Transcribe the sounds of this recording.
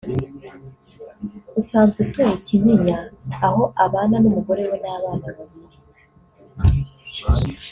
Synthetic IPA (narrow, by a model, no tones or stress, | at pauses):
usaːnzɡutojiciɲiɲaːho̞ʔaβaːnanumuɡo̞ɾe̞wenaβaːnaβaβiɾe